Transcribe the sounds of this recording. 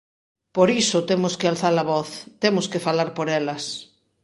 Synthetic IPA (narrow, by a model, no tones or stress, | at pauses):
poɾisʊt̪emʊskealθalaβɔθt̪emʊskefalaɾpoɾɛlɐs